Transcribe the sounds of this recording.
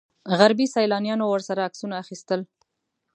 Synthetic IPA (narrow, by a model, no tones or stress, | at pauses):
ɣaɾbisajlɑnjɑnowəɾsaɾaːksunaːxist̪əl